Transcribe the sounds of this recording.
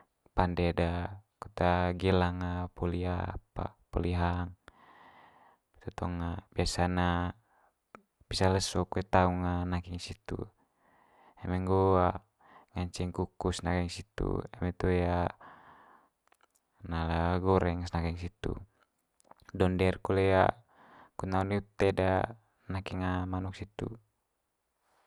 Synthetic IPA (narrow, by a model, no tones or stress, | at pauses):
pandɛdakut̪aɡɛlaŋapɔlia̰pa̰pɔliɦaŋ | bi̥t̪at̪ɔŋabiasana | bisaləsɔkuɛt̪auŋanakiŋsit̪ṵ | ɛmɛŋɡɔa | ŋaɲt͡ʃiŋkukusnakiŋsit̪ṵɛmɛt̪uja | nalaɡɔɾɛŋsnakiŋsit̪ṵ | dɔndɛrkɔleja̰ | kunauniut̪ɛda | nakiŋamanuk̚sit̪ṵ